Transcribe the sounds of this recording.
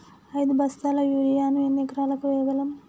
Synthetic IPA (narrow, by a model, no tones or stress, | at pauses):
ɐjd̪ubɐst̪aːlɐjuːɾijaːnuenːikɾaːlɐkuʋɛːʋɐlɐm